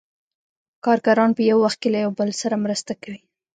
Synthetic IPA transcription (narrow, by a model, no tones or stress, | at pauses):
kɑɾkaɾɑnpəjawːaxt̪̚kelajawbəlsaɾamɾəst̪akawi